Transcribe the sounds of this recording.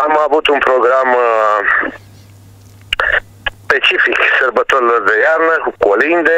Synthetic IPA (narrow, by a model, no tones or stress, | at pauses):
amaːbut̪umpɾoɡɾaːm | pet͡ʃifiksɐɾbɐt̪olɐzɐjaɾnɐxukolind̪e